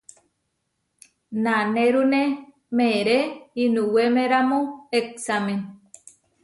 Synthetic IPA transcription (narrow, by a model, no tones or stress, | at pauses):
naneɾune | meɾeinũwemeɾamõeksamẽn